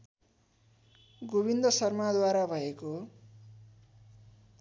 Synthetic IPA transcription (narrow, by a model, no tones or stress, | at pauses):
ɡobind̪ʌsʌrmad̪waɾabʱʌeko